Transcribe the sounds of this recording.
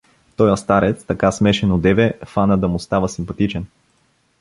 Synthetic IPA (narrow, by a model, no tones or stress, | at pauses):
t̪ɔjɐst̪aɾɛt̪st̪ɐkasmɛʃɛnod̪ɛvɛfanəd̪ɐmʊst̪avəsimpɐt̪it͡ʃɛn